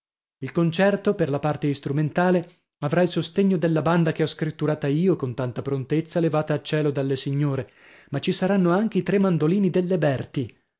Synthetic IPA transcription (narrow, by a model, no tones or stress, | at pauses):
ilkont͡ʃɛrt̪operlapart̪eist̪ɾument̪aːle | avɾailsost̪eɲːod̪elːaband̪akeɔskɾit̪ːuɾaːt̪aiːokont̪ant̪apɾont̪et̪sːalevaːt̪aːt͡ʃːɛːlod̪alːesiɲːoːɾe | mat͡ʃisaɾanːoaŋk̟eit̪ɾemːand̪oliːnid̪elːebɛrt̪i